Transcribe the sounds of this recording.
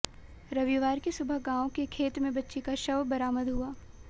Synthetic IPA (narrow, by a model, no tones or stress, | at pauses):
ɾɐʋiʋaːɾkesʊbʱəɦɡãːõkekʰeːt̪mẽbɐtːʃekaʃɐʋbɐɾaːməd̪ɦuaː